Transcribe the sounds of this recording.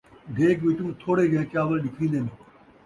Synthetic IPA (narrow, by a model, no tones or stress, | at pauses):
d̪eːkʋɪt̪ũːt̪ʰoːɽeːɡẽːkjaːʋəlɗɪkʰɾĩːd̪eːniː